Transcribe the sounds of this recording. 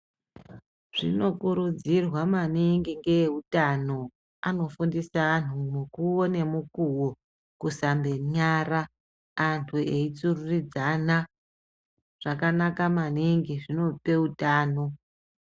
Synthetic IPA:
ʐ̥ḭno̞kuɾud͡zirwamaniŋɡiŋɡe̞utano̞ | ano̞fundisaːn̤umukuwone̞mukuwo̞ | kusambeɲaraː | ntʰueit͡sururid͡zana | ʐ̥akanakamaniŋɡiʐino̞pe̞utaːno̞

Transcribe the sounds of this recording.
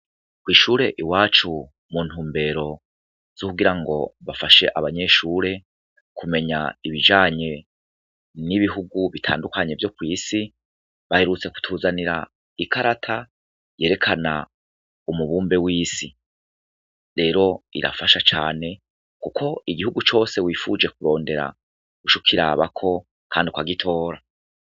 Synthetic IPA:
kwiːʃuːɾe̞ʔiwaːt͡ʃu | muːn̥huːmbe̞ːɾo̞ | z̥okuɡiɾaŋɡo̞̰βafaʃe̞ʔaβaɲe̞ʃuɾe̞ | kume̞ɲa̰iβid͡ʒaːɲe̞ | niβiɦuɡuβitʰa̰ːndukaɲe̞vjo̞kwiːsi | βahe̞ɾut͡se̞ku̥tʰuːzaniɾa̰ | ikʰaɾatʰa | je̞ːɾe̞kʰana̰ | umuβuːmbe̞wiːsi | ɾe̞ːɾo̞ḭɾa̰faʃat͡ʃaːne̞ | kukʰo̞iɡihuɡut͡ʃo̞ːse̞wiːfud͡ʒe̞kuɾo̞ːnde̞ɾa̰ | uʃukʰiɾa̰βa̰kʰo̞ | kʰaːndikwaɡitʰo̞ːɾa

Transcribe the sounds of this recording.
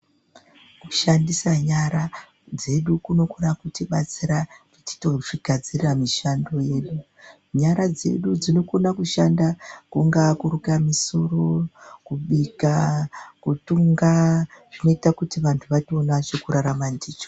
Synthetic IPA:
kuʃandisaɲaɾa | d͡ze̞ɗukuno̞ko̞nakutiɓat͡siɾakuti̥to̞ʐiɡʱad͡zirramiʃando̞je̞ɗu | ɲaɾad͡ze̞̰ɗud͡zino̞ko̞nakuʃandakuŋɡakuɾukamiso̞ɾo̞kuɓikakutuŋɡaʐ̥ino̞itakutiʋantʰuʋationat͡ʃokuɾaɾamandiːt͡ʃo̥

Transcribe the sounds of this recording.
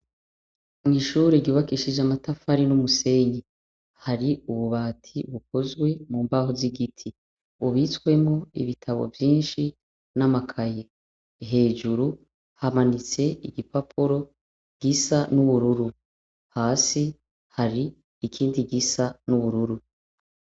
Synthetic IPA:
ŋiʃuːɾeɟuβakiʃid͡ʒamatafaɾinumuse̞ɲe | haɾiuβuβaːtʰiβukʰo̞zɡwe̞muːmbahoziɡitʰi | uβiswe̞mŋo̞ḭβitʰaβo̞̰vjiːnʃi | namakʰaje̞ | ɦe̞ːd͡ʒuɾu | hamanit͡se̞iɡipapʰuɾo̞ | ɡ̥isanuβuɾuɾu | haːsi | haɾiː | kʰiːndiɡisanuβuɾuɾu

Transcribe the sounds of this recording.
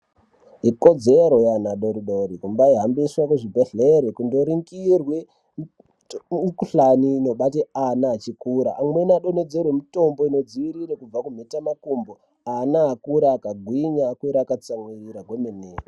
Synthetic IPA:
ɦikod͡zeɾo̞janaɗoɾiɗoɾikumbaiɦambiswakweʐibʱeɮeɾekundoɾiŋkirwe | kuɬaniːno̞ɓateanaːt͡ʃikuːɾaʔːmwenaɗoned͡zerwemito̞mboino̞d͡ziʋiɾiɾekub͡vakum̤etamakumbo | anaːkuɾaːkaɡʱwiɲakweɾakat͡saŋeiɾaɡwemeneːro

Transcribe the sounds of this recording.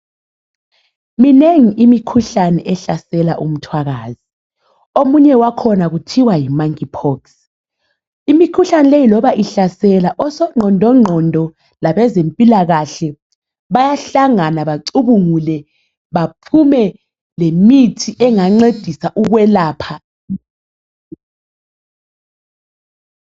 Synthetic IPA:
mineŋiʔimikʰuɬanɛʔɛɬasɛlaʔum̩tʰwaɣaːzi | omuɲɛwakʰɔnaɣutʰiwajimaŋkipʰɔks | imikʰuɬanɛlejilɔβaʔiɬasɛlaʔɔsɔŋ͡ǃʱɔndʱɔŋ͡ǃʱɔndʱɔ | laβɛzempʼilaɣaɬɛ | βajaɬaŋanaβaǀuβuŋulɛ | βapʰumɛ | lemitʰiʔɛŋaŋ͡ǀed̥ʱisaʔuɣwɛlaːpʰa

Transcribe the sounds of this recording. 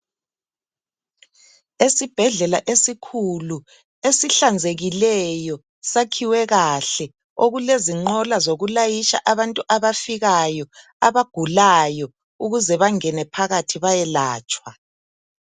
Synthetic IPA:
esib̥ʱɛɮɛlaʔesikʰulu | esiɬand͡zʱeɣilɛjɔ | sakʰiwɛɣaɬɛ | oɣuleziŋ͡ǃɔlazoɣulajiʃa̰ʔaβantʼuʔaβafiɣajɔ | aβaɡ̥ʱulajɔ | uɣuzɛβaŋɛnɛpʰaɣatʰiβajɛlaːt͡ʃʼwa

